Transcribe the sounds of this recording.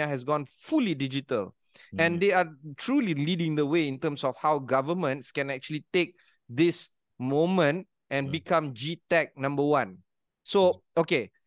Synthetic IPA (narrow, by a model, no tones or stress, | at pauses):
aɦɛs̬ɡɔ̃nfulidid͡ʒitəl | ɛ̃nd̪eatʰɹulilidɪ̃ŋd̪əweĩntə̃msɔfhawɡavəmə̃ntskɛ̃nɛk̚t͡ʃuəlitek̚ | d̪is | mõmə̃nt | ɛ̃nbikãmd͡ʒitɛk̚nãmbəwãn | so | oke